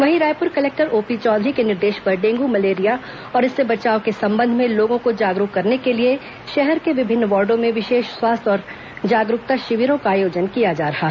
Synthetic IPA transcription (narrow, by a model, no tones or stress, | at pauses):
ʋɐɦiɾaːjpʊɾkɐleːk̚ʈəɾoːpit͡ʃɔːd̪ʱɾikenɪɾd̪eːʃbɐɾɖẽːŋɡumɐleːɾija | ɔːɾɪsːebɐt͡ʃaːokesɐ̃mbə̃nd̪ʱmẽloːɡõkod͡ʒaːɡɾʊkkːɐɾnekelie | ʃɛɦɛɾkeʋɪbʱɪnːʋɔːɾɖõmẽʋɪʃeːʃswaːst̪ɔːɾ | d͡ʒaːɡɾʊk̚t̪aʃɪʋɪɾõkaːjoːd͡ʒənkijad͡ʒaːɾɐɦaː